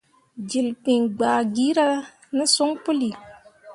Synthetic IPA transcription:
d͡ʒi˨lk͡pi˨ŋɡ͡baː˨ɡiː˦ɾa˦ | nɪ˦sʊ˦ŋpʊ˦li˨

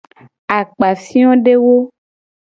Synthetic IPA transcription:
a˨k͡pa˨fĩ˦ɔ̃˦ɖe˦wo˦

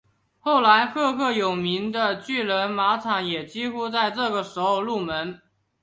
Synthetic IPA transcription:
xo˥˩ʊla˧˥ɪkʰɤ˥˧kʰɤ˥˩jo˨˩ʊmi˧˥ŋd̪ə˧t͡ɕy˥˩lə˧˥nma˧˥ʈ͡ʂʰɑ˨˥ŋjɛ˨˩t͡ɕi˥xu˥t͡sa˥˧ɪʈ͡ʂɤ˥˩ɡə˩ʂɻ̩˧˥xo˧ʊlu˥˩mə˧˦˥n

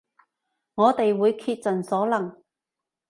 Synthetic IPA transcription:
ŋɔː˨˧t̪e˨jwuː˨˧jkʰiː˧t̚t͡sɐ˨˩nsɔː˨˥lɐ˨˩ŋ

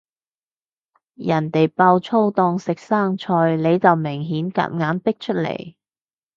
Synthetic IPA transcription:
jɐ˨˩nt̪e˨jpaː˧wt͡ʃʰo˥wt̪ɔː˧ŋsɪ˨k̚saː˥ŋt͡ʃʰɔː˧jle˨˧jt͡sɐ˨wmɪ˨˩ŋɦiː˨˥nka̰ː˧˥t̚ŋaː˨˥npɪ˥k̚t͡ʃʰɵ˥t̚lḛ˨˩j

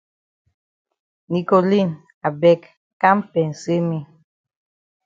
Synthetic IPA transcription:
ni˨ko˨li˦˨n | a˨bɛ˦k | ka˦m˦pɛ˨n̩˨se˦mi˦

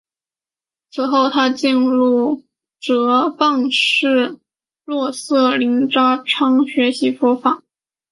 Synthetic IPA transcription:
t͡sʰɹ̩˨˩xo˥˩ʊt̪ʰa˥t͡ɕi˥˧nɻu˥˩ | ʈ͡ʂɤ˧˥pɑ˥˧ŋʂɻ̩˥˩ | lwɔ˥˧sɤ˥˩li˧˥ŋʈ͡ʂɑ˥ʈ͡ʂʰɑ˥ŋɕɥɛ˧˥ɕi˧˥fɔ˥fɑ˨˩˦

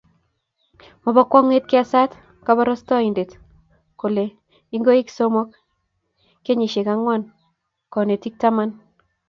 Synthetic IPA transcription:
mɔ˨ba˦kwɔ˦ŋe˦t̚ki˦a˨sa˦t | kaba˦ɾɔ˦stɔ˦i˨nde˨t | ko˨le˨ | i˦ŋɡo˦i˦kso˦mɔ˦k | kːe˦ɲi˨ʃe˨ka˦ŋwa˦n | kɔ˨ne˨ti˦k̚tama˦n

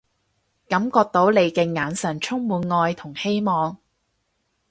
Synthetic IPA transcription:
kɐ˨˧˥mkɔː˧k̚t̪o˨˥wle˨˧jkɛː˧ŋaː˨˧nsɐ˨˩nt͡ʃʰʊ˥ŋmuː˨˧nŋɔː˧jt̪ʰʊ˨˩ŋhe˥jmɔː˨˧ŋ

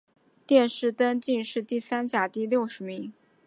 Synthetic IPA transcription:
t̪jɛ˥˧nʂɻ̩˥˩t̪ə˥nt͡ɕi˥˧nʂɻ̩˥˧t̪i˥˩sa˥nt͡ɕja˨˩t̪i˥˧ljo˥˩ʊʂɻ̩˧˥mi˧˥ŋ

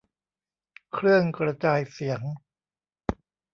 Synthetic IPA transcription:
kʰɾɯ˥˩əŋkɾa˧t͡ɕaː˧jsi˨˩˦əŋ

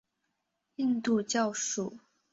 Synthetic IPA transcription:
i˥˧nt̪u˥˧t͡ɕjɑ˥˨ʊʂu˨˩˦

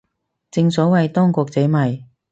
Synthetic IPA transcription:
t͡sɪ˧ŋsɔ˨˥wɐ˨jt̪ɔː˥ŋkɔː˧k̚t͡se˨˥mɐ˨j

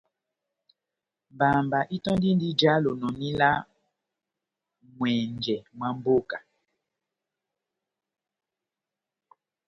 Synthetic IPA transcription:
mba˨mba˨ʔi˦tɔ̃˦n˦di˦n˦di˦d͡ʒa˦lo˨nɔ˨nĩ˦la˦ | ŋwɛ˨nd͡ʒɛ˨mwa˦m˦bo˦ka˨

